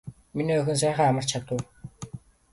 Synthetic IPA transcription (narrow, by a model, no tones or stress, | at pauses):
miniːɵxɵ̆ns̬æːχaːamə̆r̥t͡ɕʰat̪ʊ̆w